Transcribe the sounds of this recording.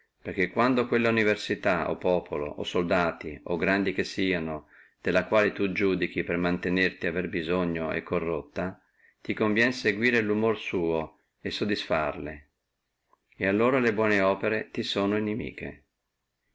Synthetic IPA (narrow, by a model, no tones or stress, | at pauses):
perk̟ekːwand̪okwelːauniversit̪ao̰pːɔːpolo̰ʔo̰sold̪aːt̪ioɡɾand̪ik̟esːiːano | d̪̥elːakwaːlet̪ud͡ʒuːd̪ik̟ipermant̪enert̪iaverbizoɲːoḛkːorːot̪ːa | t̪ikoɱvjɛnseɡwiːɾelumorsuːo | esod̪ːisfarle | ealːoːɾalebwɔːneɔːpeɾet̪isoːnoinemḭːk̟ḛ